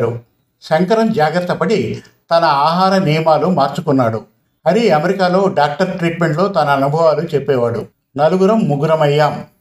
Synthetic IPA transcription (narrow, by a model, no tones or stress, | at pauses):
ɾu | sɐŋkɐɾɐmd͡ʒaːɡɾɐt̪ːɐpɐɽi | t̪ɐnɐaːɦaːɾɐnijɐmaːlumaːɾt͡ʃukunːaːɽu | ɐɾiɐmeɾikaːlo̞ːɖaːk̚ʈɐɾʈɾiːʈme̞ɳʈlo̞ːt̪ɐnɐːnubʱɐʋaːlut͡ʃepːɛːʋaːɽṵ | nɐluɡuɾɐmːuɡɾɐmɐjːaːm